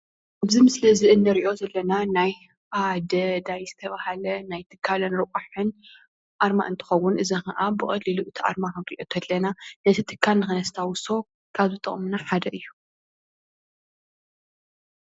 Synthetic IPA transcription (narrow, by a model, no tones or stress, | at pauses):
ʔabzimɨsliɨziʔɨndɐɾiʔo̞zɐlːɐnanaj | ʔad̪ɐd̪ajzɨt̪ʰɐβahalɐnajt̪ʰɨkʰːalɐnɾɨkʼaħɨn | ʔaɾma̰ʔɨnt̪ʰɨ̥xɐwːʊnʔɨzɐxɐʔabɨkʼɐlːiluʔɨt̪ʰiʔa̰ɾmaxɐiʔot̪ʰɐlːɐnanɐt̪ʰit̪ʰɨkʰːalnɨxɨnɐst̪ʰawʊso̞ | kʰaβzɨt̪ʼɨ̰χʼmunaħad̪ɐʔɨjːu